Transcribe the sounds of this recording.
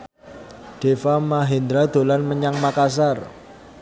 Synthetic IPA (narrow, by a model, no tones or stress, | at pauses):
ɖ̥efamaɦend̪ɾad̪̥o̤lanməɲaŋmakas̬ar